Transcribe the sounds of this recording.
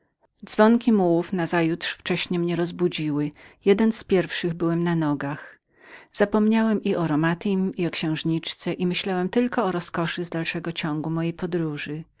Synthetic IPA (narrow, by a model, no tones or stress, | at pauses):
d̪zvɔŋkʲimuwufnazajut̪ʂft͡ʂɛɕɲɛmɲɛɾɔzbud͡ʑiwɘjɛd̪ɛnspʲjɛɾfʂɘɣbɘwɛmnanɔɡax | z̥apɔmɲawɛmʔiɔɾɔmat̪imiɔkɕɛ̃w̃ʐɲit͡ʂt̪sɛʔimɘɕlawɛmt̪ɘlkɔɔɾɔskɔʂɘzd̪alʂɛɡɔt͡ɕɔŋɡumɔjejpɔd̪ɾuʐɘ